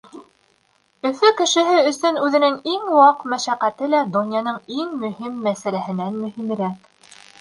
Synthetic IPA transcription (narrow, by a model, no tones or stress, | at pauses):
ɵ̆fɵkɘ̆ʃɘ̆ɦɘɵ̆sɵnʉðɘ̆nɘŋiŋwɑqmæʃæqæt̪ɘlæd̪ŏnjɑnɤɴiŋmɵ̆himːæsælæhɘ̆nænmɵ̆him̆ɾæk